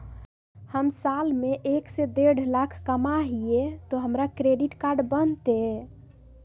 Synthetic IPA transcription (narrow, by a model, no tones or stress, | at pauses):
həmsalmeʔeksed̪eɽlakʰkəmaɦiet̪ɔɦəmɾakɾeɖiʈkaɾɖbənt̪e